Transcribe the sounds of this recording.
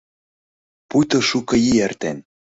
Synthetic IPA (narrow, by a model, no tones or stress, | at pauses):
pujt̪ŏʃukɤ̆jiert̪ḛn